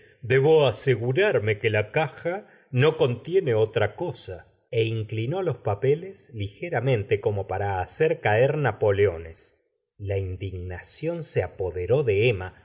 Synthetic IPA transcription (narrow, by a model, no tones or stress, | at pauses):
d̪eβo̞ase̞ɣuɾaɾme̞kelakaxa | no̞ko̞nt̪je̞ne̞o̞t̪ɾako̞sa | eiŋklino̞lo̞spapeleslixe̞ɾamẽ̞nt̪eko̞mo̞paɾaːseɾkaeɾnapo̞leo̞nes | laind̪iɣnasjo̞nseapo̞ðe̞ɾo̞ðe̞ema